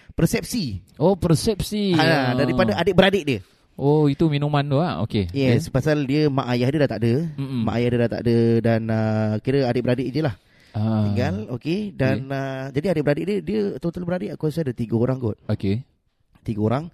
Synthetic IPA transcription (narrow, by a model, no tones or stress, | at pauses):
pəɾsɛp̚siopəɾsɛp̚siaadaɾipadaʔadeʔ̚bəɾadeʔdiə | oit̪uminũmãnt̪uaʔo̰kejɛspasaldiəmãʔajahdiədat̪aʔdəma̰ʔajahdiədat̪a̰ʔdədanəkiɾəadɪʔbəɾadeʔdiəlah | at̪iŋɡalokedanəd͡ʒadiadɪʔ̚bəɾadeʔdiədiət̪ot̪əlbəɾadɪʔakasadət̪iɡəoɾaŋɡɔt̪̚oke | t̪iɡəoɾaŋ